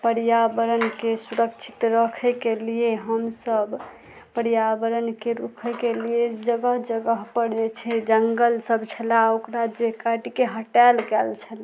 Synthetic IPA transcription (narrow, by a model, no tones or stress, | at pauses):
pəɾijabəɾənkesuɾəkt͡ʃʰi̥t̪ɾəkʰɛkelijeɦəmsəb | pəɾjabəɾənkeɾukʰɛkelijed͡ʒəɡəɦd͡ʒəɡəɦpəɽd͡ʒɛt͡ʃʰɛd͡ʒəŋɡəlsəbt͡ʃʰəlaokɾad͡ʒekaʈikeɦəʈalkɛlt͡ʃʰəl